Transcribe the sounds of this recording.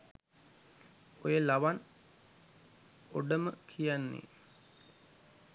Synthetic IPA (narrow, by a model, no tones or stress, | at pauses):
ojəlaʋan | oɖəməkʰijanːḛ